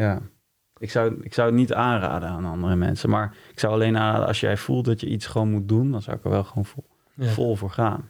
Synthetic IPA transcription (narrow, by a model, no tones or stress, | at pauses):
jaː | ɪksawɪksʌwnitaːnra̰ːdənaːnɑndərəmɛ̰nsəmaːɹɪksawɑlejnaːnra̰ːdə̰ʔɑ̰sʃjɛ̰jv̥ulˠt̚dɑtjəʔitsχəʋownmut̚dundɑnza̰wɪkə̰ɹʋɛlˠχəʋown | fɔlˠvʊːɹχaːn